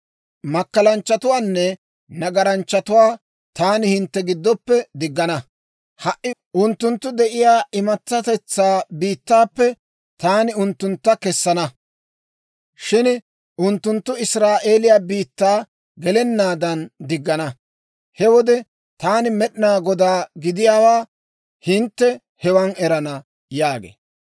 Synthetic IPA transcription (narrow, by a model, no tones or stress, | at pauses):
mɐkːɐlɐnt͡ʃːɐt̪ʊwaːnːɛ | nɐɡɐɾɐnt͡ʃːɐt̪ʊwaː | t̪aːnɪhɪnt̪ːɛɡɪd̪ːɔpːɛd̪ɪɡːɐnɐ | hɐʔːɪʔʊnt̪ːʊnt̪ːʊd̪ɛʔɪjaːʔɪmɐt͡sːɐt̪ɛt͡sːaːbiːt̪ːaːpːɛ | t̪aːnɪʊnt̪ːʊnt̪ːɐkɛsːɐnɐ | ʃɪn | ʔʊnt̪ːʊnt̪ːʊɪsɾaːʔe̞ːlɪjaːbiːt̪ːaː | ɡɛlɛnːaːd̪ɐnd̪ɪɡːɐnɐ | hɛwɔd̪ɛ | t̪aːnɪmɛɗɪnaːɡɔd̪aːɡɪd̪ɪjaːwaː | hɪnt̪ːɛ | hɛwɐnɛɾɐnɐ | jaːɡḛː